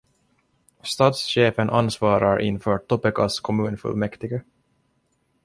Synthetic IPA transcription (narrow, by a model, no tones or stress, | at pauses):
st̪ɑːt̪sɕeːfənʔansvɑːɾaɾʔɪ̰nfœːʈt̪ɔpːɛkaskʰɔmʉ̟ːnfɵ̰lmɛkt̪ɪɡə